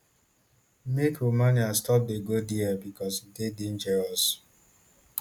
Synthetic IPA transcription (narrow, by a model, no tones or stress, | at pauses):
mekomaniastɔp̚deɡodiabikɔsdedin̩d͡ʒɛɹɔs